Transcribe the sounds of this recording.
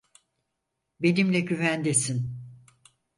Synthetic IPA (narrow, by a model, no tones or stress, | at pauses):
be̞nimlʲɛɟyvænd̪esin